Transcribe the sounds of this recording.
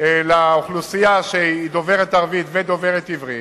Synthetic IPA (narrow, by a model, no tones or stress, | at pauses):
laoχlusijaʃeid̪oveʁet̪aʁvit̪ved̪oveʁet̪ivʁit